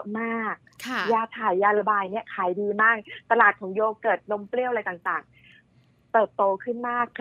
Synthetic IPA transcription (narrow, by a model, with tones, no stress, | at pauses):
maː˥˩k̚kʰjaː˧t̪ʰaː˨˩jːaː˧la˧baː˧jni˦˥ɐʔkʰaː˨˩˦jdɯː˧maː˥˩k̚t̪a˧laː˨˩t̪̚kʰɔː˩˦ŋjoː˧kːɤː˨˩t̪̚no˦˥mpli˥˩ʔala˧jt̪aː˨˩ŋt̪aː˨˩ŋ | t̪ɤː˨˩t̪̚t̪ːoː˧kʰɯ˥˩nmaː˥˩k̚ʰ